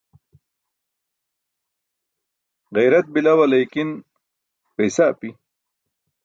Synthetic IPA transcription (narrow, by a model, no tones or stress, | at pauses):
ɣejɾat̪̚bilawalajkin | pejsapi